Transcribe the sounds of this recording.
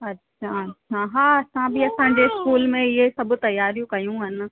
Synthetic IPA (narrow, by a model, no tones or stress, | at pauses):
ɐtːɕʰaɐtːʃʰaɦaːɐsãbɪɐsãːɲd͡ʑeɪskuːlmẽɪɦesɐbʊ̆t̪ɐjːaːɾijũkɐjũɦɪnɪ̆